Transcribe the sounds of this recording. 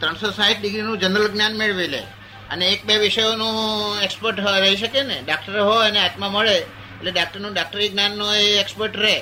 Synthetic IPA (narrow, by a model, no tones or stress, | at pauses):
t̪ɾəɳsosaɦiʈ̚ɖiɡɾinũd͡ʒənɾəlɡnjanmeɭʋilḛ | ə̰neːk̚beʋiʃəjonũekspəɾʈɦɾəɦiʃəkeneɖakʈəɾɦoneat̪mãməɭḛː | leɖak̚ʈəɾnũɖak̚ʈəɾiɡnjanːoeːkspəɾʈɾe